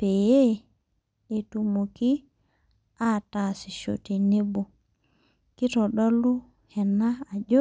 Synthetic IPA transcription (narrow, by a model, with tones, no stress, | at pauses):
peje˦ | e˨tumoki | atasi˨ʃo̰ti˨ni˦bu˨ | ki˦tɔɗo˦lːu˦ | hɛ˨nːaː˨d͡ʒo˦